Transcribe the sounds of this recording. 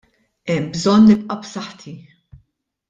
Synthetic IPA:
ɛmːbzɔnːɪpʼʔɐpsɐħt̪ʰi

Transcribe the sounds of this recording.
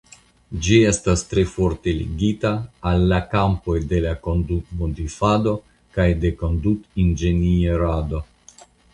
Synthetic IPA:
d͡ʒiest̪ast̪ɾe̞foɾt̪e̞lḭɡit̪aːlːakampo̞jd̪e̞lakond̪ut̪mod̪ifad̪o̞ | kajd̪e̞ko̞nd̪ut̪ind͡ʒenieɾad̪o̞

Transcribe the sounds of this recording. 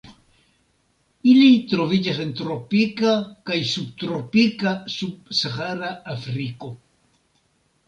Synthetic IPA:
ilit̪ɾovid͡ʒasent̪ɾopikakajsub̚t̪ɾopikasup̚saxaɾaafɾiko

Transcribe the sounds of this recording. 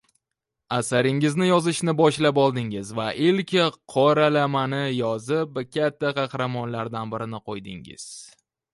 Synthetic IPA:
asaɾɪŋɪznɪjɒzɪʃnɪbɒʃlapɒlˠd̪ɪŋɪzvaʔɪlkʲɪqʰɒɾalamanɪjɒzɪpkʲʰat̪ʰːaqʰɑhɾamɒnlaɾd̪anbɪɾɪnɪqʰojd̪ɪ̰ŋɪ̰z̥

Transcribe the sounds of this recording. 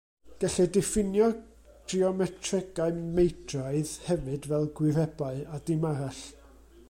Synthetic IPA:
ɡ̥aɬɛdɛfɪnjɔ | d̥riɔmɛtʰrɛɡaɨmejtʰraɨðhɛvɨdvɛlˠɡwɪrɛbaɨadɪmaɾaɬ

